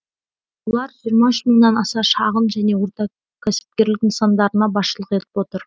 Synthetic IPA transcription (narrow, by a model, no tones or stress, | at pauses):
wolˠɑɾʒijəɾmɑʏʃməŋnɑnɑsɑʃɑʁənʒæne̞wo̞ɾt̪ɑ | kʲʰæsɪ̥p̚kʲe̞ɾlɪkənsɑnd̪ɑɾənɑbɑsʃəlˠəqe̞t̪ɪ̥pwo̞t̪əɾ